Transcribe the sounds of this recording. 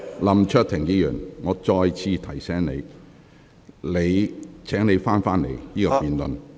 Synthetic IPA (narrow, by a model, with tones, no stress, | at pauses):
lɐ˨˧mt͡ʃʰɵ˥t̚t̪ʰɪ˨˩ŋjiː˧jy̰ː˨˩nŋɔː˨˧t͡ʃɔː˧jt͡sʰiː˧t̪ʰɐ˨˩jsɛː˨˥ŋne˨˧j | le˨˧jt͡sʰɛː˨˥ŋne˨˧jfaː˥nfaː˥nnḛ˨˧jniː˥kɔː˧ppiː˨nlɵ̰˨n